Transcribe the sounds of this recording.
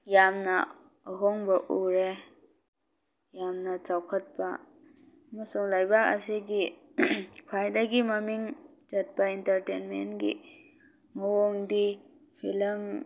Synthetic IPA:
jamnɐ | ɦoŋbɐʔuɾe | jamnɐt͡ʃawkʰɐt̚pɐ̰ | ɐmɐsuŋlajbak̚ɐ̰siɡi | kʰwajdɐɡimɐmiŋ | d͡ʒɐt̚pɐintɐɾtenmḛnɡḭ | mɐwoŋdi | pʰilɐm

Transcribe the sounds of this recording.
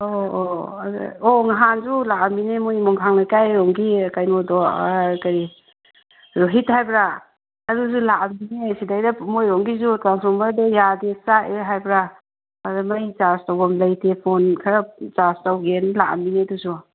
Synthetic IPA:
o̰ | ɔŋaɦanzulaʔaminemojmɔŋkʰaŋlajkajɾɔŋɡikajmɔdɔkaɾi | ɾoɦit̚hajbɾa | ɐɾuzulaaminesidajdamojɾɔŋɡizutɾansɔmaɾdejadesaeɦajbɾa | adamajt͡ʃastawɡɔmlajtʰepʰɔnkʰaɾat͡ʃastawɡenlaa̰mineduzu

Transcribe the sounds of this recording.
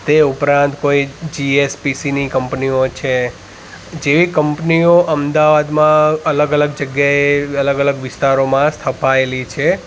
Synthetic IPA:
t̪eupɾãnt̪koid͡ʒiespisinikəmpniot͡ʃʰe | d͡ʒeʋikəmpnioʔəmd̪aʋad̪mãələɡələɡ̚d͡ʒəɡjaeələɡələɡʋɪst̪aɾomãst̪ʰəpaelit͡ʃʰe

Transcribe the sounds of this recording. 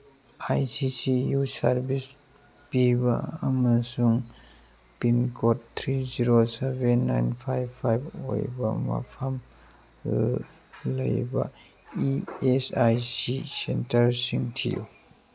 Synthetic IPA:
ajsisijusaɾbis | pibɐ̰ɐmɐsuŋ | pinkʰottʰːɾiziɾosebenːajnpʰajbpʰːajbo̰jbɐ̰mɐ̰pʰɐm | lɐ̰jbɐ̰ | iesajsisentɐɾsiŋtʰijṵ

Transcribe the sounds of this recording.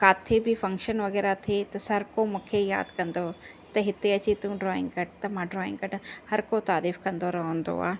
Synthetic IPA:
kaːt̪ʰebʱɪfɐ̃ŋkʃənʋɐɣɛːɾat̪ʰet̪ɐsɐɾkomũːkʰeja̰ːd̪kɐ̃nd̪o | t̪ɐɦɪt̪eɐt͡ɕit̪ũɖɾɔːɪ̰̃ŋɡkɐʈt̪ɐmãːɖɾɔːɪ̃ŋɡkɐʈhɐɾkot̪aːɾiːfkɐ̃nd̪oɾɐɦə̃nd̪o̰a̰ː

